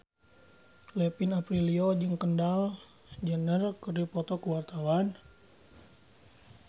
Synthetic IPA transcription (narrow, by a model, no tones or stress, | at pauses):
lɛpinapɾiliod͡ʒɨŋkəndal | d͡ʒənərkɨrdipɔt̪ɔkuwart̪awan